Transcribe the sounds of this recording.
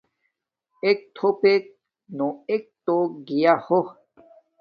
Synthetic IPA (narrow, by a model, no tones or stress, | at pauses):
ek̚t̪ʰopek̚ | noek̚t̪oɡijaho